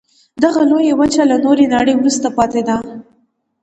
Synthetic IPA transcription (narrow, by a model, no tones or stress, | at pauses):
d̪aɣalojawət͡ʃalanoɾenaɽəjwɾust̪apɑt̪ed̪a